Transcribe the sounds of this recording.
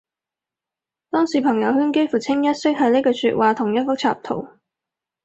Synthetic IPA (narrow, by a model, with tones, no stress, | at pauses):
t̪ɔː˥ŋsiː˨˩pʰɐ˨˩ŋjɐ˨˧wɦyː˥nke˥jfuː˨˩t͡sʰɪ˥ŋjɐ˥t̚sɪ˥k̚ɦɐ˨˧ne˥jkɔː˧sy̰ː˧t̚waː˨˧t̪ʰʊ˨˩ŋjɐ˥t̚fʊ˥t͡sʰa̰ː˧˨p̚t̪ʰo̰˨˩w